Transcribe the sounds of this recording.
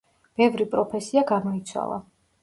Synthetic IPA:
b̥ɛvɾipʼɾɔpʰɛsiaɡamɔit̪sʰwa̰lˠa̰

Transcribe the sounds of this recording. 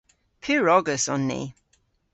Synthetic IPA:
pʰiɹɔɡəsɔnːḭ

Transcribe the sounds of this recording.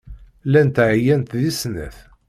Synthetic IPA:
lænt̪ʕjænt̪ðisnə̰θ

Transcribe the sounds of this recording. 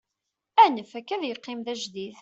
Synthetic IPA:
ænəfækːæðjəqːɪmðæʒd̪iθ

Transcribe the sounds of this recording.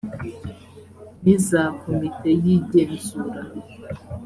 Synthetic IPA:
nizakomitejiɟeːnzuɾa̰

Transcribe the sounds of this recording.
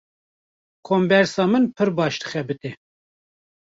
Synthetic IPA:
kʰoːmbɛɾsɑːmɨnpʰɨɾbɑːʃt̪ɨ̥xɛbɨt̪e

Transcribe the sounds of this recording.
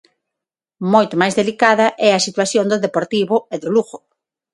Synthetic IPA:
mojt̪ʊmajzðelikaðɐʔɛɐsit̪waθjond̪ʊðepoɾt̪iβʊeðʊluɣʊ

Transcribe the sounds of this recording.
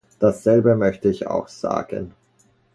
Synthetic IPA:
d̥asz̥ɛlbəmœçtəɪça̰ʊxz̥a̰ːɡ̥ə̰n

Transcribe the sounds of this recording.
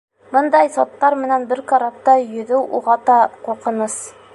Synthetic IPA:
bɤnd̪ɑjsɒt̪ːɑɾmɘ̆nænbɘɾkɑɾɑp̚t̪ɑjɵ̆ðɘwʔuʁɑt̪ɑquqɤ̆nɤs

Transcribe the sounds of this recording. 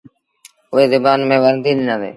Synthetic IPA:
ʊɦeːzɪbaːnmẽːʋəɾnd̪iːɗɪnãːd̪ḛː

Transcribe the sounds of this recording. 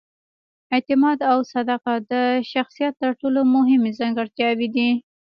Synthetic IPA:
ɪt̪ɪmɑd̪awsad̪aqad̪əʃaxsijat̪ːəɾʈolomʊɦɪmezɑŋɡaɽt̪jɑwid̪i

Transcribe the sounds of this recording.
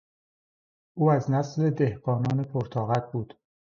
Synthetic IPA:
ʔuːæznæsle̞d̪ehɢɒːnɒːnepʰoɾt̪ʰɒːɣæt̪̚buːd̪̥

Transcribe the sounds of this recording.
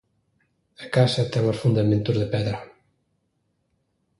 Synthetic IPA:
akasɛp̚t̪aŋosfund̪amẽnt̪uzðepɛðɾa

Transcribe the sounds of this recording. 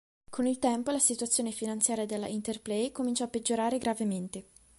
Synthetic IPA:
kʰonilt̪ɛmpolasit̪uat̪sːjoːnefinant̪sjaːɾjad̪elːa̰int̪erplejkomint͡ʃaːpːed͡ʒːoɾaːɾeɡɾavement̪e

